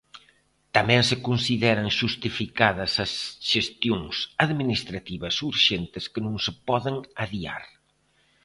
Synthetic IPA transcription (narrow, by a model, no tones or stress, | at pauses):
t̪amɛ̃ŋsɪkunsiðɛɾɐŋʃust̪ifikaðɐsɐsʃest̪joŋsaðminist̪ɾat̪iβɐsuɾʃent̪ɪskənũŋsɪpɔðɪŋaðia̰ɾ